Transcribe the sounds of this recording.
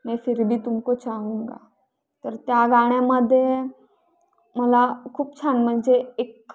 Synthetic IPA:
mɛ̃fiɾbʱiːt̪umkot͡ɕaɦũŋɡa̰ | t̪əɾt̪jaɡaɽ̃jaməd̪ʱːje | məlakʰuːpt͡sʰanm̤əɳd͡zeek

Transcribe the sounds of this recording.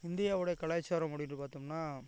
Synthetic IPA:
ɪnd̪ɪjaːʋɯɽɐjɐkɐɭɐjt͡ʃːaːɾɐ̃mpʊɽɪjɪnʈːɯpaːɾt̪ɯŋnaː

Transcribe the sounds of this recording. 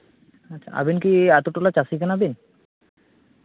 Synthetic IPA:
atːɕʰa̰a̰binkiat̪oʈolat͡ɕasikanabin

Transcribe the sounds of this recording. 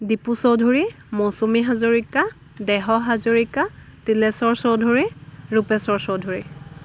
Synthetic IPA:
dipusowdʱuɹi | mosumiɦazoɹika | dɛɦɔɦazoɹikatilɛsɔɹsɔwdʱoɹiɹupɛsɔɹsɔwdʱoɹi

